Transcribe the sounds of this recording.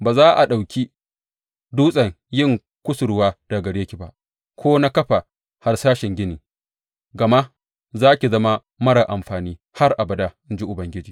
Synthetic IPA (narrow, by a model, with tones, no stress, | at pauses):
baː˨zaː˦ʔa̰˨ɗa˨wkʲi˦ | duː˦sʼɐ˨ŋ | jɪ˦ŋ | kʷʊ˦sʊ˨ɾʊ˦waː˦d̥a˨ɡɐ˨ɽeː˦kʲi˨ba̰˦ʔ | kʷʰoː˦na˦kɐ˦ɸa˨ | ha˨rsaː˦ʃɪ˨ŋɡʲɪ˦niː˨ | ɡɐ˨ma˦ʔ | zaː˦kʲi˨zɐ˦ma˦ | mɐ˦ɽa˨ʔa˨mɸaː˨niː˦ | ha˦rʔa˨bɐ˨da˦ʔɪ˦nd͡ʒi˦ʔʊ˨bɐ˨ŋɡʲɪ˦d͡ʒiː˨